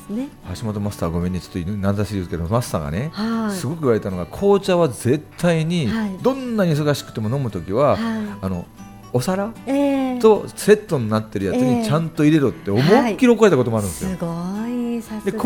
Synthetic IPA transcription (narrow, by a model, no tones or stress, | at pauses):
haɕimo̞t̪o̞masɨ̥t̪aβɡo̞me̞ɲ̟ːit͡ɕo̥t̪oinnazaɕiɯked̪masɨ̥t̪a̰ːɡa̰nehasɨɡo̞k̬ɯiβaɾe̞t̪ano̞ɡakʰo̞ːt͡ɕaβaze̞t̪ʰːaiɲ̟id̪õ̞nːaɲ̟is̬o̞ɡaɕi̥kɯ̟̥t̪emo̞no̞mɯ̟t̪o̞kʲiβaːno̞̰ | osaɾat̪o̞se̞t̪ːo̞ɲ̟inat̪ːe̞ɾɯ̟jaɨɲ̟it͡ɕãnt̪o̞iɾe̞ɾot̪ːe̞omokʲiɾo̞koet̪ako̞t̪o̞moaɾɯ̃nd̪esɨjo | d̪ek